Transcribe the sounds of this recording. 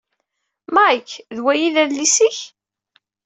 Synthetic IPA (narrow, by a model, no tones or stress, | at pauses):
mæikːðwæjiðæðlisiç